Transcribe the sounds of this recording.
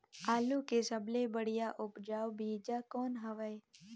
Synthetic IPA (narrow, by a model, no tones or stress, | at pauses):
aːlukesəblebəɽjaʔʊpd͡ʒaːwbiːd͡ʒakoːnɦəʋəj